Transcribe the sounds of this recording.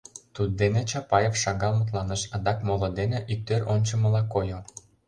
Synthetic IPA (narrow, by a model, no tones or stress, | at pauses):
t̪ud̪̚d̪enet͡ɕɑpɑjefʃɑɣɑlmɤt̪lɑnəʃɑd̪ɑkmolˠŏd̪eneʔyk̚t̪øronʲt͡ɕə̆mɤ̆lɑkojo